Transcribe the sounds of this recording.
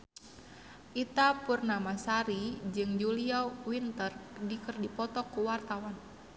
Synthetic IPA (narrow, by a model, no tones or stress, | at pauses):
ʔit̪apurnamasaɾid͡ʒɨŋd͡ʒuliɔwint̪ərdikərdipɔt̪ɔkuwart̪awan